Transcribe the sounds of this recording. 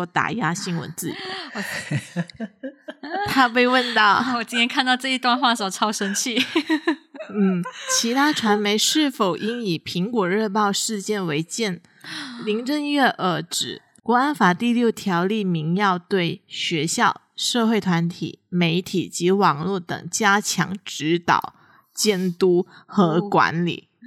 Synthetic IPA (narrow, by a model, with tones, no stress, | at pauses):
o˥˩t̪a̰˨˩ja˥ɕi˥nwə̰˧˥nt͡sɹ̩˥˩ḭ˨˩˦ | t̪ʰa˥p̬e˥˧ɪwə˥˧nt̪ɑ˥˩ʊwɔ˨˩t͡ɕi˥nʰjɛ˥nkʰa˥˧nt̪ɑ˥˧ʊʈ͡ʂɤ˥˧i˥˧t̪wa˥˧nxwa˥˩sɔ˨˩t͡sʰɑ˥ʊʂə˥nt͡ɕʰi˥˩ | n̩˥˩t͡ɕʰi˧˥t̪ʰa˥ʈ͡ʂʰwa˧˥nme˧˥ɪʂɻ̩˥˩fo˨˩ʊʔi˥ni˨˩pʰi˧˥ŋkwɔ˨˩ɻə˥˧pɑ˥˧ʊʂɻ̩˥˧t͡ɕjɛ˥˩nwe˧˥ɪt͡ɕjɛ˥˩n | li˧˥ŋʈ͡ʂə˥˧ŋɥɛ˥˩ʔə˧˥ʈ͡ʂɻ̩˨˩ | kwɔ˧˥a˥nfa˨˩t̪i˥˧ljo˥˩ʊt̪ʰjɑ˧˥ʊli˥˩mi˧˥ŋjɑ˥˧ʊt̪we˥˩ɪɕɥɛ˧˥ɕjɑ˥˧ʊʂɤ˥˧xwe˥˩ɪt̪ʰwa˧˥nt̪ʰḭ˨˩˦me˧˥ɪt̪ʰi˨˩t͡ɕi˧˥wɑ˨˩ŋlwu˥˩t̪ɤ̰˨˩ŋt͡ɕja˥t͡ɕʰjɑ̰˧˥ŋʈ͡ʂɻ̩˧˥t̪ɑ̰˨˩ʊ | t͡ɕjɛ˥˩nt̪u˥xɤ˧˥kwa̰˧˥nlḭ˨˩˦